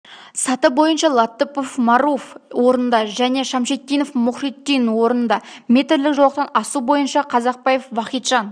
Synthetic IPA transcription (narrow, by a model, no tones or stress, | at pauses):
sɑt̪əbo̞jənʃɑlˠɑt̪ːəpo̞fmɑɾofwo̞ɾənd̪ɑʒæne̞ʃɑmʃet̪ːijno̞fmʊχrit̪ːijnwo̞ɾənənd̪ɑme̞t̪ɪɾlɪkʒɑwˠɑqt̪ɑnɑsubo̞jənʃɑqʰɑzɑq̚pɑjefvɑχijt̪ʒ̥ɑn